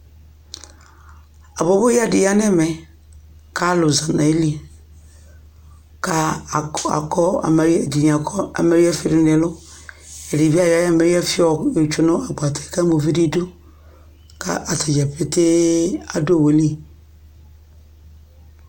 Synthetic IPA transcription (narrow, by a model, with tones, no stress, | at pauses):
a˨bo˨bo˦ja˦˨di˨ja˦nɛ˦˨mɛ˨ | ka˦lʊ˨za˨na˨e˦li˦˨ | ka˦˨a̰˨kɔ˦a̰˨m˨˦˨di˨ɲ˨a˨kʰɔ˦a̰˨me˦ɾa˦fe˦ɾu˨ne˨lʊ˦ | e˨ɾi˨bi˦a˦˨ja˨˦ja˦˨me˦ɾi˦a˦fi˦ɔ˨e˨t͡ʃu˦no˦a˨ɡ͡bʷa˨tʰe̥˨˦ka˦mo˨vi˦di˦do˦ | ka̰˨ʔa˨ta˨d͡ʒa˨pe˦te˦a̰˨do˦˨we˨li˦